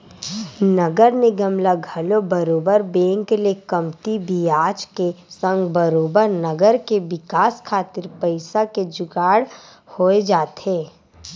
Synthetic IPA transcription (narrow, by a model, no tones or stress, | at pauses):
nɐɡəɾneɡəmlaɡʱɐlobəɾoːbəɾbẽːŋklekəmt̪ibʱiaːt͡ʃkesə̃ŋɡbəɾoːbəɾnəɡəɾkeʋɪkaːskʰaːt̪ɪɾpəɪsaked͡ʒʊɡaːɽ | hoːed͡ʒaːt̪eː